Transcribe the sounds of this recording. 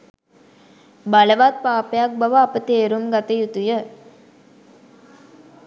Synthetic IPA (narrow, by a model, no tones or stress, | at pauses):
baləʋat̪̚paːpejak̚baʋəapət̪eːɾumɡat̪əjut̪ujə